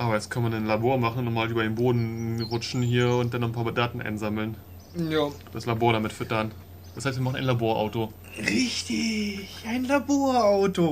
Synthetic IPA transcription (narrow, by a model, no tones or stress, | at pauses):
ʔaːbɐjɛt͡skʰanənmananlaboːɐmaχn̩ʊntnɔχmaːlʔyːbɐdeːnboːdn̩ʁʊt͡ʃn̩hiːɐʊntd̥anːɔn̩pʰaːmdaːtn̩ʔa̰ɪnzaml̩n | jaːd̥aslaboːɐɾamɪtfʏtɐn | d̥ashaɪstviːmaχn̩ʔaɪnlaboːɐʔa̰ʊto | ʁɪçtɪçʔaɪnlaboːɐaʊto